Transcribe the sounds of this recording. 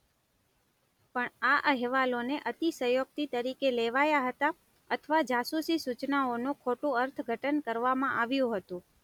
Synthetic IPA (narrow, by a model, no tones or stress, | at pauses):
pəɳaʔəɦɛʋaloneʔət̪isəjoɡ̚t̪it̪əɾikeleʋajaɦət̪a | ət̪ʰʋad͡ʒasusisut͡ʃnaonũkʰoʈũəɾt̪ʰɡʱəʈənkəɾʋamãʔaʋjũɦət̪ũ